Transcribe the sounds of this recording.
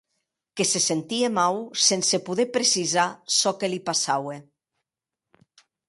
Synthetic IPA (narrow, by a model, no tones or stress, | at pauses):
kesesent̪iemawsensepuðepɾesizasɔkelipasawe